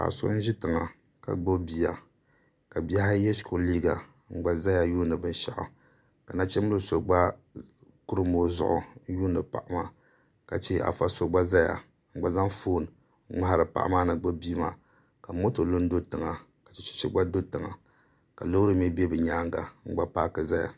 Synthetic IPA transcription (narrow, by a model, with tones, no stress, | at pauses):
ka̰˨so̰˦n̩˦ʒɪ˦tɨ˨ŋa˨ | ka̰˨ɡ͡bo˦bi˦˨a˨ | ka˨bi˦a˦ha˦jɛ˦ʃko˨liː˦ɡa˨ | ŋ͡m̩˨ɡ͡ba˨za˦ja˨juː˦nɨ˨bɨ˦n˦ʃa̰˨ʔʊ̰˨ | ka˨na˦t͡ʃɛ˦mɨ˦lɨ˦so˨ɡ͡ba˦ | ku˦ɾɨ˦mo˨˦zʊ̰˨ʔʊ̰˨˦juː˦nɨ˨pa̰˨ʔa˦maː˦˨ | ka˨t͡ʃe˦a̰˨fa˦so˨ɡ͡ba˦za˦ja̰˨ | ŋ͡m̩˨ɡ͡ba˨za˦ŋfoː˦˨n˨˦ | ŋ͡ma˦ha˦ɾɨ˨pa̰˨ʔa̰˦maː˦nɨ˨ɡ͡bo˦biː˦maː˨ | ka˨mo˦to˨lo˦n˦do˦tɨ˨ŋa˨ | kḁ˨t͡ʃɛ˦t͡ʃɛ̥˦t͡ʃɛ˦ɡ͡ba˦do˦tɨ˨ŋa̰˨ | ka̰˨lo˦ɾɨ˦m˦ɛ˦be˦bɨ˨ɲaː˦ŋɡa̰˨ŋ͡m̩˦ɡ͡ba˦paː˦kɨ˨za˦ja̰˨